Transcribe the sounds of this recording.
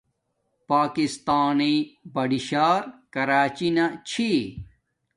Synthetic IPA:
paːkist̪aːnibɐɖiɕaːɾkɐɾaːt͡ɕinat͡ɕʰi

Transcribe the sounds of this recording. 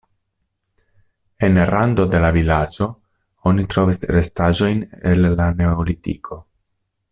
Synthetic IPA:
e̞nɾando̞de̞lavilad͡ʒo̞ | o̞nitɾo̞visɾe̞staʒo̞jnelːane̞olitḭkʰo̞

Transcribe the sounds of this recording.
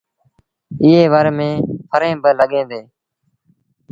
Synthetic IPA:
ɪːeːʋəɾmẽːpʰəɾẽːbələɠẽːnd̪eː

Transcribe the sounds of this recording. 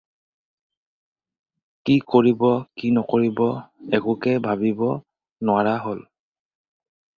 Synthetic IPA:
kikoɹibɔkinɔkoɹibɔɛɡʊkɛbʱabibɔ | nʊaɹaɦol

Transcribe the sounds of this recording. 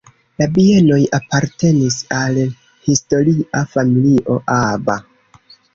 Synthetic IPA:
labieno̞japaɾte̞nisal | histo̞ɾiafamiliʔo̞ʔaba

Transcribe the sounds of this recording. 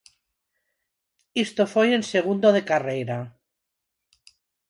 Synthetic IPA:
ist̪ofeje̞nse̞ɣ̞und̪oð̞e̞karejɾa

